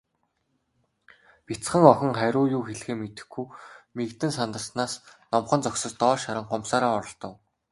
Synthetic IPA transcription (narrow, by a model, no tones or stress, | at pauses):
pit͡sχə̆ŋɔxʲɞ̆ŋχæɾʲʊːjuːxeɮxeːmet̪ɘ̆xɡujmekt̪ɘ̆nsant̪ə̆ɬsnaːsnɔmχɞ̆nt͡sɔksɞ̆st̪ɔːʃaɾə̆ŋɢɔmsaːɾaːɔɾɞ̆ɮt̪ɞ̆w